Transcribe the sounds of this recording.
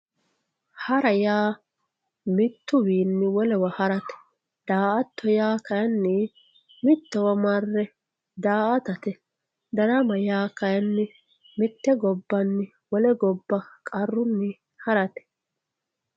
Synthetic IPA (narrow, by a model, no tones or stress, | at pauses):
hɐɾɐjaː | mɪt̪ːʊwiːnːɪwɔlɛwɐhɐɾɐt̪ɛ̥ | d̪̥aːʔɐt̪ːɔjaːkɐjɐnːɪ | mɪt̪ːɛwɐmɐrːɛ | d̪aːʔɐt̪ɐt̪ɛ | d̪ɐɾɐmɐjaːkɐjɐnːɪ | mɪt̪ːɛɡɔbːɐnːɪ | wɔlɛɡɔbːɐkʼɐrːʊnːɪ | hɐɾɐt̪ɛ̥